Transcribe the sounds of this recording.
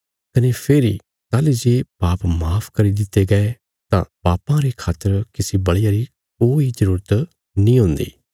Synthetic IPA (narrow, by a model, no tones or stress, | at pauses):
kɐnepʰeːɾi | t̪aːlid͡ʒeːpaːpmaːpʰkɐɾid̪ɪt̪ːeɡɐe | t̪ã̰paːpãɾekʰaːt̪əɾkɪsibɐɽijaɾi | k̚oːid͡ʒəɾuːɾət̪ | nĩːɦʊ̃nd̪ḭː